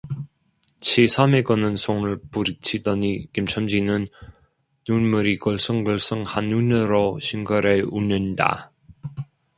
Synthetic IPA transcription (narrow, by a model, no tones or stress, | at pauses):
t͡ɕʰisʰameɡʌnɯnsʰoŋɯɭpuɾit͡ɕʰidʌnikimt͡ɕʰʌmd͡ʑinɯnː | unmuɾikʌɭs͈ɯŋɡʌɭs͈ɯŋhanːunɯɾoɕʰiŋɡʌɾeunɯnda̰